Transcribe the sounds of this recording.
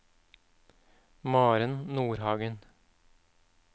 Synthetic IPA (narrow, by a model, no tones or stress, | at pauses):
mɑːɾənnuːɾhɑːɡən